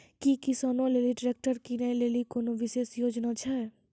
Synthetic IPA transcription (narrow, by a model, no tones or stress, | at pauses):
kikɪsaːnõleːliɖɾeːk̚ʈəɾkinəĩleːlikoːnoʋɪʃeːsjoːd͡ʒnat͡ʃʰɛː